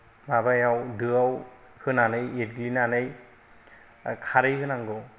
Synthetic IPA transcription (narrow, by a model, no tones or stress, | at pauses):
mabajawdɯaw | hɯnanɯjet̚ɡlinanɯj | kʰaɾɯjɦɯnaŋɡɯw